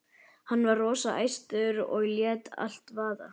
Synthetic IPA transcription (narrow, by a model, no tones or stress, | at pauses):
hanːvarrɔːsaʔa̰jst̪ʏɾɔ̰ɣljɛːt̪a̰l̥t̪vaːða̰